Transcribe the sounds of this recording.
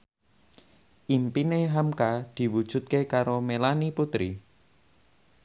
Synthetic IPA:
ʔimpineɦamkad̪̥i̤wud̥ʒ̥ṳt̪̚kekaɾomelaniput̪ɾi

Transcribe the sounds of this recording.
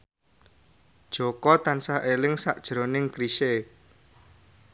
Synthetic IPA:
d̥ʒ̥okɔt̪ansaɦʔelɪŋsa̰ʔd̥ʒ̥ɾonɪŋkɾiʃe

